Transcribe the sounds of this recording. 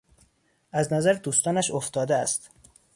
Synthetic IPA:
ʔæznæzæɾd̪uːst̪ɒːnæʃoft̪ɒːd̪eæst̪

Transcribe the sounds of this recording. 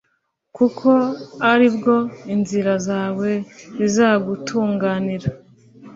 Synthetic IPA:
kukʰo̞aɾibɡo̞inziɾazaːwe̞zizaːɡutʰuːŋɡaːniɾa

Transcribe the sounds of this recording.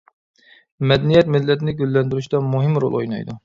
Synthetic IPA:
mɛd̪ɛnijɛt̪mɪlːɛt̪ɪnɪɡʲølːɛnd̪yɾyʃd̪ɑmuɦɪmɾo̰lˠʔo̰jnɑ̰jd̪u

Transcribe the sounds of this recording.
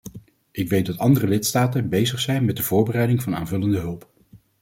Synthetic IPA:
ʔɪkʋejt̚dɑtɑndərəlɪtstaːtənbejzəχsɛjnmɛt̚dəvʊːɹbərɛjdɪŋvɑna̰ːnvɵləndəɦɵlˠp

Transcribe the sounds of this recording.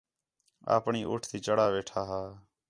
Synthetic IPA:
a̰ːpɳiːʔʊʈʰt̪iːt͡ʃəɽaːʋeːʈʰaːɦaː

